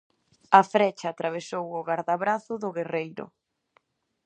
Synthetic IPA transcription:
ɐfɾɛt͡ʃaːt̪ɾaβ̞esowʊɣaɾðaβɾaθʊðʊɣerejɾʊ̰

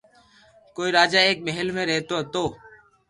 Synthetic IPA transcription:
koːiːɾaːd͡ʒaːeːk̚meɦəlmẽːɾɛɦt̪oːɦt̪oː

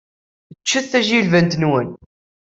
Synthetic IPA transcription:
ət͡ʃːəθθːæʒilvənt̪nwən

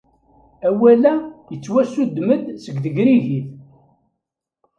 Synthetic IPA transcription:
æwælæjət͡sːwæsud̪ːməd̪səɡðəɡɾiʝið

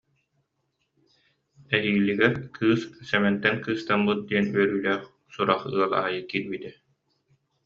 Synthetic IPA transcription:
ɛɦiːlʲːiɡɛɾkʰɯːssɛmɛnt̪ɛnkɯːst̪amːɯt̪̚d̪iɛnyœɾyːlæːχ | suɾaχɯ̰ɐlˠa̰ːjɯkiːɾbit̪ɛ

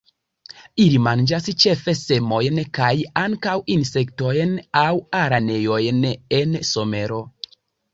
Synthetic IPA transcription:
ilimand͡ʒast͡ʃe̞fe̞se̞mo̞jnkajaŋkawinse̞kto̞jnawaɾane̞jo̞jnenso̞me̞ɾo̞

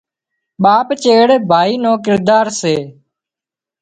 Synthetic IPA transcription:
ɓaːpt͡ʃeːɽbʱaːiːnõːkɪɾd̪aːɾseː

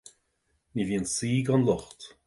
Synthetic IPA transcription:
niviənsiːɡɔnlɔxt

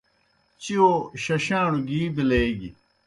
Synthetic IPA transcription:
t͡ɕioɕɐɕãːnuɡiːbileːɡi

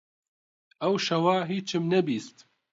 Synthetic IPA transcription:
ɛwʃɐwaːɦiːt͡ʃʰɨmnɛbiːst̪

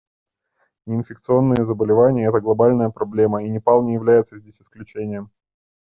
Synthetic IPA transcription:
nʲɪɪnfʲɪk̚t̪sɨo̞nːɨjəzəbəlʲɪvanʲɪjəɛt̪əɡlˠɐbalʲnəjəpɾɐblʲe̞məinʲɪpɑlˠnʲɪjɪvlʲæjɪt̪səzʲdʲesʲɪ̥sklʲʉt͡ɕenʲɪjəm

